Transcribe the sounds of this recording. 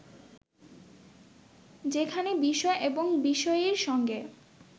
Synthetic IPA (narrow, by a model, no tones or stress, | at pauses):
d͡ʑekʰanebiʃɔeʔeboŋbiʃɔeeɾʃɔŋɡe